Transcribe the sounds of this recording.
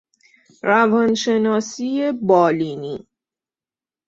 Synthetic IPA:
ɾævɒnʃe̞nɒːsiebɒːlini

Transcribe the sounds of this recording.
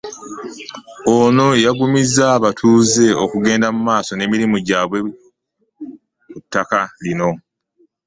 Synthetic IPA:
oːno̞jaɡumizaβatʰuːze̞okuɡe̞ːndamumaːso̞ne̞ːmiɾimuɟaːβwe̞ | kutːakalino̞

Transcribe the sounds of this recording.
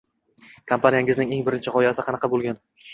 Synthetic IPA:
kʰampʰanijaŋʲɪznɪŋe̞ŋbɪɾɪnt͡ʃʰɪqʰɒjasɪqʰɑnɑqɑbolˠɡʲan

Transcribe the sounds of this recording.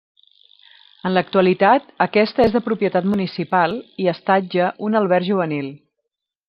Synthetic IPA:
ənlək̚t̪uəlit̪at̪əkɛst̪əezðəpɾupiət̪at̪munisipalˠiəst̪ad͡ʒəʔunəlˠβɛɾʒuβənilˠ

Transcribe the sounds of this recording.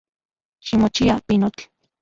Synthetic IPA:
ʃimot͡ʃiapinot͡ɬ

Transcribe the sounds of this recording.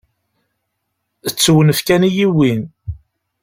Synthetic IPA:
ət͡sːwənəfkænijiwin

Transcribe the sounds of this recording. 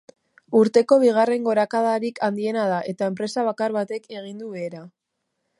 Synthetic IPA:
uɾt̪e̞ko̞β̞iɣ̞are̞ŋɡo̞ɾakaðaɾikʰand̪ie̞nað̞aʔe̞t̪ae̞mpɾe̞saβ̞akaɾβat̪e̞ke̞ɣ̞ind̪uβe̞ːɾa

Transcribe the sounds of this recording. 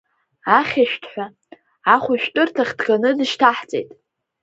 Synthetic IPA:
aχʲaʃᶣtʰħʷᶣa | aχʷʊʃᶣtʼɨrtʰaχʲdɡanɨdɨʃtʰaħt͡sʼḛjtʼ

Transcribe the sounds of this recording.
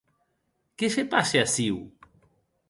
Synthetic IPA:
kesepaseasiw

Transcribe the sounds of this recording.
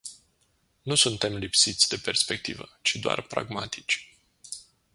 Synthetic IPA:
nusunt̪e̞mlipsit̪sʲd̪e̞pe̞rspe̞k̚t̪ḭvət͡ʃid̪oa̰rpɾa̰ɡmat̪ʰi̥t͡ʃʲ

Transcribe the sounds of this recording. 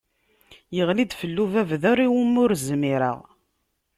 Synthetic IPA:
jəʁlid̪fəlːuvævðʊɾiwəmːʊɾzmiɾə̰ʁ

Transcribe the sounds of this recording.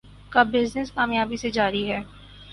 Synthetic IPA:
kabɪznɪskaːmjaːbised͡ʒaːɾiɦɛː

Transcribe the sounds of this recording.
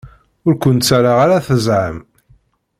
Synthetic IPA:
ʊɾkʷənt̪t͡sːaɾaʁaɾaθəzʕə̰m

